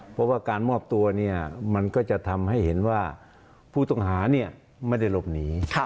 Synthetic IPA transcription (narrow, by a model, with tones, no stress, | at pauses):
pʰɔ˦˧˥waː˥˩kaː˧nmɔː˥˩p̚t̪u˧ɐni˥˩ɐma˧nkɔː˥˩t͡ɕa˧˩ʔt̪ʰa˧mɦa˥˩jhe˩˦nwaː˥˩ | pʰuː˥˩t̪ɔ˥˩ŋɦaː˩˦ni˥˩ɐ | ma˥˩jda˥˩jlo˧˥˩p̚niː˩˦kʰ